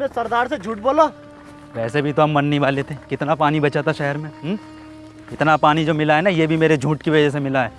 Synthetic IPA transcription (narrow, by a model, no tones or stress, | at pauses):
ẽsɐɾd̪aːɾsed͡ʒʱuːʈ̚boːlo | ʋɛːsebʱit̪oɦɐmːɐnːibaːlet̪ekɪt̪napaːnibɐt͡ʃat̪aʃɛɦəɾmẽɦ | kɪt̪napaːnid͡ʒoːmɪlaɦɛnajebʱimeːɾed͡ʒʱũːʈkiʋɐd͡ʒɛs̬emɪlaɦɛː